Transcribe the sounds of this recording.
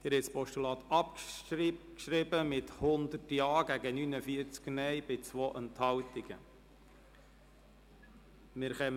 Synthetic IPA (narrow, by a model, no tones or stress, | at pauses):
d̪̥ɪɾɛtspɔʃtulɑːt̪ɑp | kʃɾɪbəmɪt̪hʊnd̪ərtjɑːɡ̥æɡənynəfiəɾt͡sknɛjbɪt͡sʋoːʔənt̪hɑwt̪iɡ̥ə̰ | mɪɾχɛm